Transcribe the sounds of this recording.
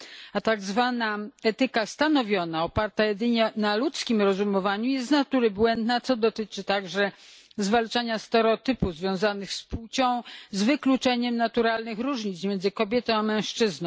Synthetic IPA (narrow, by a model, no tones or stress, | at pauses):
at̪aɡzvanaɛt̪ɘkast̪anɔvʲjɔnaɔpaɾt̪ajɛd̪ɘɲɛnalut̪skʲimɾɔzumɔvaɲujɛst̪nat̪uɾɘbwɛnd̪nat̪sɔd̪ɔt̪ɘt͡ʂɘt̪aɡʐɛ | zvalt͡ʂaɲast̪ɛɾɔt̪ɘpuzvʲjɔ̃w̃zanɘxsput͡ɕɔ̃w̃zvɘklut͡ʂɛɲɛmnat̪uɾalnɘxɾuʐɲit̪smjɛnzɘkɔbʲjɛt̪ɔ̃w̃amɛ̃w̃ʂt͡ʂɘznɔ̃w̃